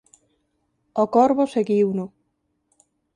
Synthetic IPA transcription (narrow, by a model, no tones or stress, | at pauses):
okɔɾβoseɣiwnʊ